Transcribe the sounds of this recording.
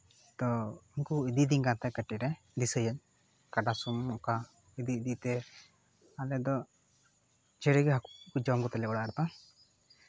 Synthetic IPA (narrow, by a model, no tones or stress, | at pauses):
t̪ɔinkuid̪id̪iŋkat̪ɛkəʈiɾɛ | d̪isəjəɲ | kaɖasumːɔka | id̪id̪it̪ɛ | alɛd̪ɔ | d͡ʒɛɾəɡɦakukud͡ʒamɡɔt̪ɛlɛkɔɽaʔɾt̪ɔ